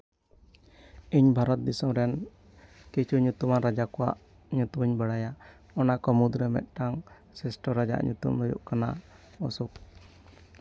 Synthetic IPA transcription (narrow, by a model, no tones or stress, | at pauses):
iɲbʱaɾɔt̪̚d̪isɔmɾɛn | kit͡ʃʰuɲut̪umanɾad͡ʒakɔwa̰ʔ | ɲut̪umɲbəɽaja | ɔnakɔmud̪ɾɛmɛ̰t̪̚ˀʈaŋ | sɛsʈɔɾad͡ʒa̰ʔɲṵt̪ṵmɾɔjṵʔkana̰ | ɔsuk